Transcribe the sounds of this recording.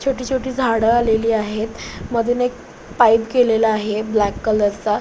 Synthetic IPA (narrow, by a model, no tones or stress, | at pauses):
t͡ɕʰoʈiːt͡ɕʰoʈiːd͡zʱaɽəaleliːaɦet̪məd̪ʱenek̚ | pajpkelelaaɦeblækːələɾt͡sa